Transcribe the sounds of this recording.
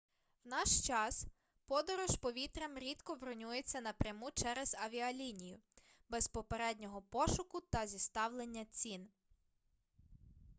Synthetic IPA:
wnɑʃt͡ʃɑs | pɔd̪ɔɾɔʃpɔʋʲit̪ɾɐmɾʲit̪kɔʋɾɔnʲuje̞t͡sʲːɐnɐpɾʲɐmut͡ʃɛɾezɐʋʲiɐlʲinʲijʊ | bɛspɔpeɾɛdʲnʲɔɦɔpɔʃʊkʊt̪ɐzʲist̪ɑwlˠe̞nʲːɐt͡sʲin

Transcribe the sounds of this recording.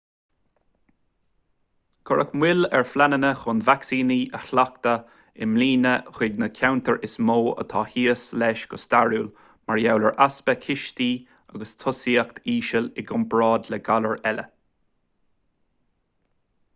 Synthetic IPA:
ɡ̥ʰʊɹʔəkmwɪlɛɹflanənəxʊnvaksiːniːʔəxlak̚t̪ə | ɪmliːnəxwɪɡnəkʰawnt̪əɹʔɪsmoːə̰t̪ʰɑːhiəslɛʃɡ̥əst̪aɹjuːl | maɹjawləɹʔaspəkʰɪʃt̪iː | aɡəst̪ʰʊsiːəkt̪ʰiːʃəlɪɡʊmbɹɑːd̪ləɡaləɹɛlə̰

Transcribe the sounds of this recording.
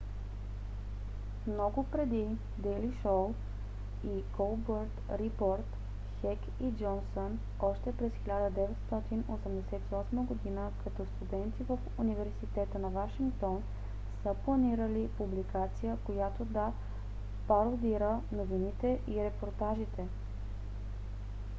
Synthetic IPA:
mnɔɡʊpɾɛd̪i | d̪ɛliʃolˠ | iɡolˠbəɾt̪ɾipoɾt̪ | xɛk | id͡ʒɔnson | ɔʃt̪ɛpɾɛsxʲilʲad̪əd̪ɛvɛt̪st̪ɔt̪inosəmd̪ɛsɛt̪iɔsməɡod̪inəkɐt̪ɔst̪ud̪ɛnt̪ivəfunivɛɾsit̪ɛt̪ənɐvaʃiŋkt̪ɔn | səplˠɐniɾəlipublikat̪sijəkojat̪od̪ɐ | pɐɾod̪iɾənovinit̪ɛʔiɾɛpoɾt̪aʒit̪ɛ

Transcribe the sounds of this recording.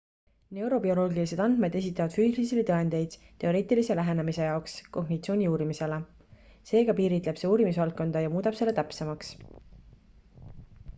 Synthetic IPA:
ne̞wɾo̞bio̞lo̞ːɡilise̞d̪ɑnd̪me̞d̪̥esit̪ːˑɑvɑd̪̥fyːslisilit̪ɤend̪̥e̞jd̪̥t̪e̞o̞ɾe̞ːt̪ˑilise̞læɦe̞nemise̞jɑoksko̞ɡnit̪sio̞ːnʲiuːɾimise̞le | se̞ːɡ̥ɑpiːɾit̪le̞b̥se̞uːɾimis̬vɑlt̪kːo̞nd̪̥ɑjɑmuːd̪ɑb̥se̞lːet̪æpse̞mɑks

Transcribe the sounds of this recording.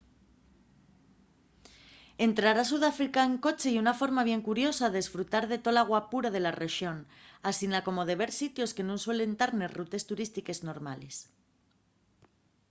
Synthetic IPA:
e̞nt̪ɾaɾas̬uðafɾikaeŋko̞t͡ʃe̞iunafo̞ɾmaβ̞je̞ŋkuɾjo̞saðesfɾut̪aɾðe̞t̪o̞laɣwapuɾað̞e̞lare̞ʃjo̞n | asinako̞mo̞ðe̞β̞e̞ɾsit̪jo̞ske̞nõnswele̞nt̪aɾnerut̪e̞st̪uɾist̪ike̞zno̞ɾmales

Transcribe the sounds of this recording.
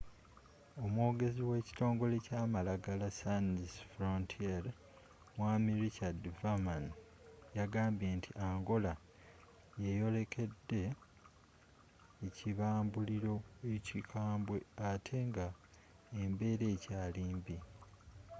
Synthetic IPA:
o̞mwo̞ːɡe̞ziwe̞ːci̥to̞ːŋɡo̞le̞caːmalaɡalasanisfɾontʰiaɾ | waːmiɾicadvaman | jaɡaːmbje̞ːntʰiʔaːŋɡo̞la | jejo̞le̞kʰe̞dːe̞ | ciβaːmbuliɾo̞ecikʰaːmbwe̞atʰe̞ŋɡa | embe̞ɾe̞ːcaːliːmbi

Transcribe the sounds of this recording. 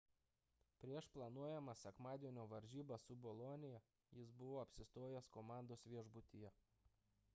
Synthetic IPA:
pʲɾʲiɛʃplˠɐnuɔjɛmɐsʲɛkmɑːd̪ʲiɛnʲoːʋɐɾʲʒʲiːbɐsʊbɔlˠoːnʲɪjɛ | jɪsbʊʋoːɐpʲsʲɪst̪oːjɛskoːmɑˑnd̪oːsʋʲiɛʒbʊt̪ʲijɛ

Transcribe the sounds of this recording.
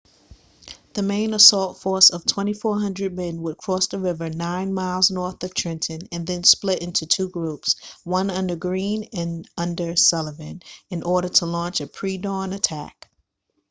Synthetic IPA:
ðɨmẽɪ̃nəsɔlˠtfɔɹsʌv̥tʰw̥ɛ̃ɾ̃ifɔɹɦʌ̃ndɹɨd̚mɛ̃nwəd̚kʰɹ̥ɔsðəɹɪvə˞nãɪ̃nmaɪlˠznɔɹθʌv̥tʰɹ̥ɪ̃ntʰɨ̃nɨ̃nðɨ̃nsplɪɾʔɪ̃ntʰʉtʰuɡɹupswʌ̃nʌ̃ndə˞ɡɹĩnɨ̃nʌ̃ndə˞sɛlˠəvɨ̃nɨ̃nʔɔɹɾə˞ɾəlɔ̃nt͡ʃɨpʰɹ̥idɔ̃nɨtʰæ̰k

